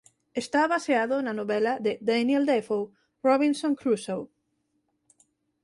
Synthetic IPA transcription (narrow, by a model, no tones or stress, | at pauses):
est̪aβaseaðʊnɐnoβɛlɐðɪd̪anjeld̪efow | rɔβinsõŋkɾusow